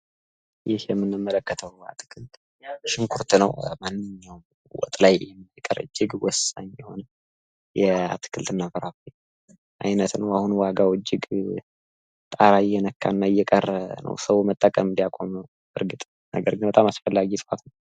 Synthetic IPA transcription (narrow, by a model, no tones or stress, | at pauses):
jɪhjɛmːɨnːɨmːələkːət̪ʰəwa̰t̪ʰɨ̥kʰɨlt̪ʼ | jabəʃɪŋkʰuɾt̪nəwmanːɨɲːawm | wɔ̰t̪ʼlajɛmːkʼəɾɨ̰d͡ʒːɪɡwɔsaɲjɛho̞nə | jɛa̰t̪ʰɨ̥kʰɨlt̪ʰɨnːafəɾafij | ʔajnət̪nəwahunwaɡawɨd͡ʒːɪɡ | t̪ʼaɾajːɛnəkʰːa̰nːaɨjːɛkʼərnə̰wsəwumət̪ʼːəkʼəmbijakʷʼoməw | bɨɾɡɨt̪ʼ | nə̰ɡəɾɡɨnbət̪ʼamasfəlːaɡit̪ʰʼat̪nəw